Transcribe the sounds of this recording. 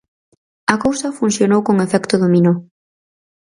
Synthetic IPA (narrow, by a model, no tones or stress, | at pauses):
ɐkowsɐfunsjonowkoŋefɛkt̪ʊðomĩno